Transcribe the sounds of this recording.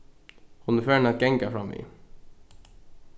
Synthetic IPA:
hʊnɛfæːɳɑt̪̚ɡɛŋkafɾɑmːḭː

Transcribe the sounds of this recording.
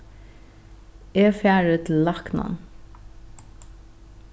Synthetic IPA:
eːfjæːɹət̪ʰɪl̩lɑknɔ̰n

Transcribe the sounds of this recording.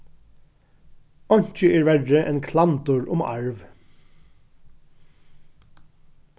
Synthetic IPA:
ɔɲ̥t͡ʃəʔeːɹʋæɖəʔḛːnkʰlɑnt̪ʊɹʔʊmɑ̰ɹʋ

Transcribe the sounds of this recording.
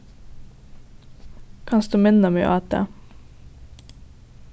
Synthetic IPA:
kʰɑnsd̪ʉːmɪnɔmɛ̰ʔɑːt̪ə̰

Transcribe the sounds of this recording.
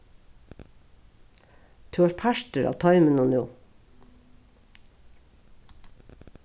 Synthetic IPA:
t̪ʰʉːʋɑːʃpʰæʃtəɾɑ̰ːʋt̪ʰɑʏmənunʉː

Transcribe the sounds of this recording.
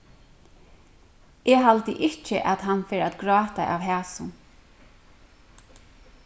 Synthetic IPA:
ʔɛːɦalt̪ɪʔɪt͡ʃɪʔat̪ɦanfɛːɾat̪ɡɹɑːt̪ajʔa̰ʋɦæːsʊn

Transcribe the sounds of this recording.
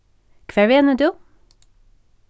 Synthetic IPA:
kʰʋɛʋeːnəd̪ʉː

